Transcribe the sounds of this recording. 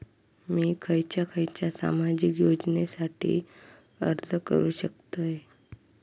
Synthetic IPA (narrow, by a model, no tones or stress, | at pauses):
miːkʰəjt͡ɕjakʰəjt͡ɕjasa̰mad͡ʑiːkjod͡ʑnesaʈʰḭː | əɾt̪əkə̰ɾuːɕək̚t̪əj